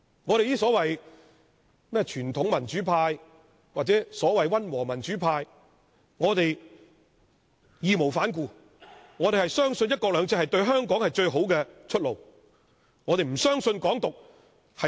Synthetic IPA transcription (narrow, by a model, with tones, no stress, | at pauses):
ŋɔː˨˧ɾe˨jiː˥sɔː˨˥wɐ˨j | mɛː˥t͡ʃʰyː˨˩nt̪ʰʊ˨˥ŋmɐ˨˩nt͡ʃyː˨˥pʰaː˧j | waː˨t̚t͡sɛː˨˥sɔː˨˥wɐ˨jwɐ˥nwɔː˨˩mɐ˨˩nt͡ʃyː˨˥pʰaː˧j | ŋɔː˨˧t̪e˨j | jiː˨˧mo˨˩wfaː˨˥nkuː˧ | ŋɔː˨˧te˨jhɐ˨jsœː˥ŋsɵ˧njɐ˥t̚kɔː˧k̚lœː˨˧ŋt͡sʰɛː˧˥hɐ˨jt̪ɵ˧ɥɦœː˥ŋkɔː˨˥ŋhɐ˨jt͡ʃɵ˧ɥɦo˨˥wkɛ˧t͡ʃʰɵ˥t̚lo̰˨w | ŋɔː˨˧e˨jm̩˨˩sœː˥ŋsɵ˧nkɔː˨˥ŋt̪ʊ˨k̚ | hɐ˨